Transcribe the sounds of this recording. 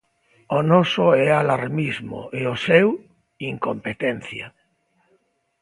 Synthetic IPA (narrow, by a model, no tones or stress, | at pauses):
onosoɛalaɾmizmo̰ʔeosew | iŋkompet̪ẽn̟θja̰